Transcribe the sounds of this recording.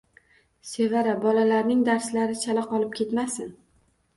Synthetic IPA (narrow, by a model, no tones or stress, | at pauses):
se̞vaɾabɒlalaɾnɪŋd̪aɾslaɾɪt͡ʃʰalaqɒlˠɪp̚kʲʰe̞t̪masɪn